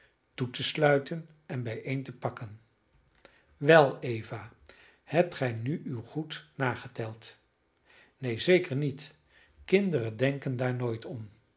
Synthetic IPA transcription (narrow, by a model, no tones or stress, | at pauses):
tutəslœɥtən | ɛnbɛjʔejntəpɑkən | ʋɛlˠejvaː | hɛp̚tχɛjnyywχutnaːχətɛlˠt | nejzejkəɹnit | kɪndərəndɛŋkəndaːɹnoːjtɔn